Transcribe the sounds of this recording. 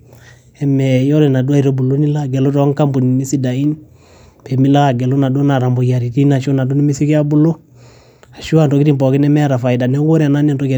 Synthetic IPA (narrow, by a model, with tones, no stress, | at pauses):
ɛmejo˦ɾe˨na˨du˦a˦i˨ɾo˦bu˨lo˦ni˦la˦˨ɡe˨lo˦to˨wa˦ŋka˦mbu˨n˨mi˦si˦da˨i˦n | pe˨mi˦la˦ka˨ɡe˨lo˦na˨do˦na˨ɾa˨mbo˨ja˨ɾi˨ti˦na˨ʃo˦na˨du˦ni˦mi˦si˦ki˦a˦bu˦lo˦ | a˨ʃu˦wa˦nto˨ki˦ti˦mpo˨ki˦ne˦me˦ɾa˨fa˨ida˨ne˦ɡo˦ɾe˨a˨na˦ni˦nto˦ke˨